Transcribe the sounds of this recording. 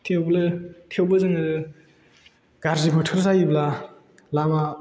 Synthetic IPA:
tʰewblɯtʰewbɯzɯŋɯɾɯ | ɡ̥aɾzibɯtʰɯɾzajibla | lama

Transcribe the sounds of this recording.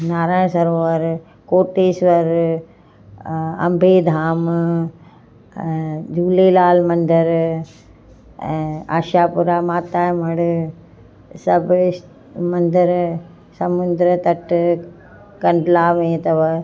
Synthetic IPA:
naːɾaːɽ̃sɐɾoːʋəɾ | koːʈeːsʋɐɾ | ɐ̰mbʱeːd̪ʱaːm | d͡ʑuːleːlaːlmɐ̃nd̪əɾ | a̰ːʃaːpʊɾaːmaːt̪aːm̤ɐɽ | sɐbʱ | mɐnd̪əɾ | sɐmʊ̃nd̪ɾət̪ɐʈ | kɐ̃ɳɖlaːmẽt̪ɐʋ

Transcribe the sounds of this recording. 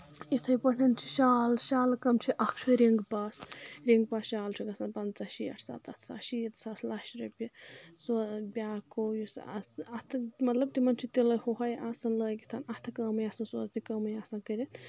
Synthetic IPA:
it̪ʰɐjpɐnint͡ʃʰi̥ʃaːlʃaːlkɐmt͡ʃʰiʔɐkʰt͡ʃʰuɾiŋɡpasɾiŋɡ̚pɐsʃaːlt͡ʃʰiɡɐsanpɐnt͡saʃiɐ̰ʈʰsa̰ːt̪ʰɐt̪ʰsa̰ːʃiit̪saːslaːʃɾɐpʲisobʲaːkojusa̰sɐt̪ʰmɐt̪lɐb̚t̪imɐnt͡ʃʰit̪elɐjhoɦɐjʔasɐnləːjɡit̪ʰanɐt̪ʰɨkɐːmɐjaːsɐnso̰ːznikɐːmɐjaːsɐnkɐɾin

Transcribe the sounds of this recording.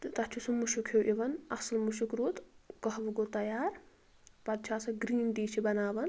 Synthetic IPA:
t̪ɨt̪ɐt͡ʃʰusumuʃukʰeʔiʋɐnɐslmuʃukɾuːt̪ɡɐɦʋɐɡot̪ɐjaːɾ | pɐd̪̚t͡ʃʰaːsɐɡɾiːnd̪iːt͡ʃʰibɐnaːʋɐn

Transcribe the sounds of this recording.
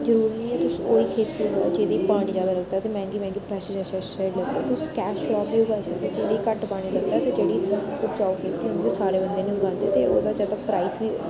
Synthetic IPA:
zəɾuːɾnəĩːɛːt̪ʊsoːiːkʰeːt̪ːiːaːd͡ʒeːd̪iːpaːɽ̃iːzjaːd̪aːləkd̪aːt̪eːmɛ̃ːnɡiːmɛ̃ːnɡiːpɾɛːsed͡ʒɛʃɛ | eːɖləɡd̪eːɛːt̪ʊskɛːʃlɔːiːʊɡaːisəkd̪aːd͡ʒeːd̪iːkəʈpaːɽ̃iləɡ̚d̪aːt̪ed͡ʒeːɽiːʊpt͡ʃaːkʰeːt̪ːiɦõnd̪iʊsaːɾeːbənd̪eːneɦʊɡãːnd̪eːt̪eoːd̪aːd͡ʒət̪əpɾaːiːsʋiː

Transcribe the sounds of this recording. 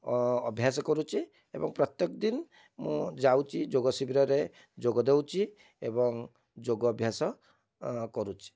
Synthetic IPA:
ɔbʱjasɔkɔɾut͡ʃʰi | ebɔŋpɾɔt̪jekɔd̪in | mũd͡ʒawt͡ʃʰid͡ʒoɡɔsibiɾɔɾe | d͡ʒoɡɔd̪ewt͡ʃʰi | ḛbɔŋ | d͡ʒoɡɔːbʱjasɔ | kɔɾut͡ʃʰi̥

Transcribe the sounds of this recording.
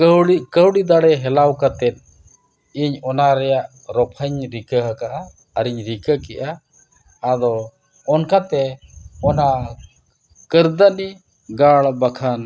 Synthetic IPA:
əwɽikəwɽid̪aɽɛɦɛlawkat̪ɛt̪̚ˀ | iɲɔnaɾɛjaʔ | ɾɔpʰəɲɾikəɦakaʔa | əɾiɲɾikəkɛʔaː | d̪ɔ | ɔnkat̪ɛɔna | kəɾd̪ani | ɡaɭbakʰan

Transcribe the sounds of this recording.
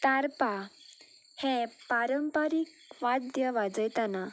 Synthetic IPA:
t̪aɾpa | hɛ̃paɾəmpaɾik | ʋad̪jəʋad͡zəjt̪ana

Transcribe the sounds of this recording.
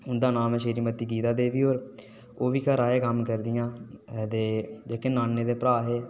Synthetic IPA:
ʊnd̪aːnaːmɛ̃ːʃeːɾiːmət̪iːɡiːt̪aːd̪eːʋiːɦoːɾ | oːʋiːkəɾaːeːkəmkəɾd̪ɪjãːd̪eːd͡ʒeːkenaːnːeːd̪eːpɾaːɦeː

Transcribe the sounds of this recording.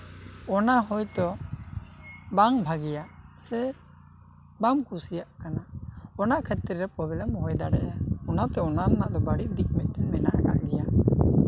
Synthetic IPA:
ɔnaɦɔjt̪ɔ | baŋbʱaɡɛjaʔsɛ | bamkusijaʔkanaɔnaʔkʰɛt̪iɾɾɛpɔbɛlɛmɔɦɔjd̪aɽɛjaɔnat̪ɛɔnanaʔd̪ɔbaɽiʔ̚d̪ik̚mɛt̪̚ʈɛnmɛnaʔkaʔɡɛja

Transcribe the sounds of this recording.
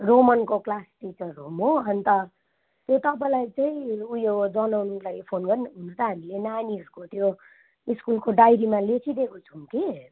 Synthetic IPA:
romʌnkoklasʈit͡sʌrɦomoʌnt̪ʌ | t̪jot̪ʌp̬aĩlajt͡saĩujod͡zʌnawnlaipʰonɡʌɾinɦunut̪ʌɦamilenaniʌskot̪jo | iskulkoɖajɾimalet͡sʰid̪ekot͡sʰuŋki

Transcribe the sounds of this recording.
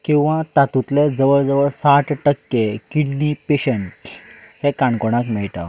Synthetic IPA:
kĩw̃ʋat̪at̪ut̪led͡zəʋəɭd͡zəʋəɭsaʈʈəkːekiɳːipeɕəɳ | hekaɳkoɽ̃akmɛɭʈ̪a̰

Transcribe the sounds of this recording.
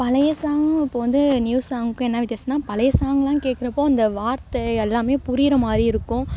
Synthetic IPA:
pɐlɐjɐsaːŋɡɐ̃ɪpːoːʋɐnd̪ɯnjuːssaːŋɡɯkːʊ̃ɛnːaːʋɪt̪ːeːsɐnːaːpɐlɐjɐsaːŋɡɐlãːkeːʈ̚kːɪɾɐpːoːɐnd̪ɐʋaːɾt̪ɐɛlːaːmeːpʊɾɪɾɐmaːd̪ɾiɪɾɯkːʊ̃

